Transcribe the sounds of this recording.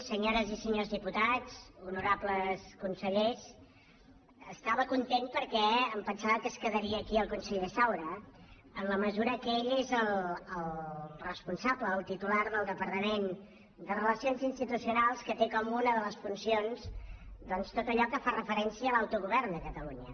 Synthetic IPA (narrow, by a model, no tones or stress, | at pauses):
səɲoɾəzisəɲozðiput̪at͡sunuɾabləskunsəʎes | əst̪aβəkunt̪enpəɾkɛəmpənsaβəkəskəðəɾiəːkiəlˠkunsəʎesawɾə | ənləməzuɾəkeʎezəlˠəlˠrəspunsabləːlˠt̪it̪ulaɾðəlˠd̪əpəɾt̪əmen | d̪ərələsionzinst̪it̪usiunalˠskət̪ekɔmunəðələsfunsionzd̪ɔnst̪ot̪əʎɔkəfarəfəɾɛnsiəːlawt̪uɣuβɛrnd̪əkət̪əluɲə